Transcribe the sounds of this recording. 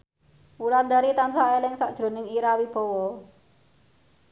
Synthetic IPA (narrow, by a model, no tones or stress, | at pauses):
uland̪aɾit̪ansaʔelɪŋsaʔd̥ʒ̥ɾo̤nɪŋiɾawib̥ɔ̤wɔ